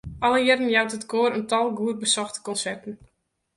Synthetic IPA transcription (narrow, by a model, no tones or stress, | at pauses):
ʔɔlˠəjɪrn̩jawtətkoːɾəntɔlˠɡuərbəsɔxtə̥kɔnsɛrtən̩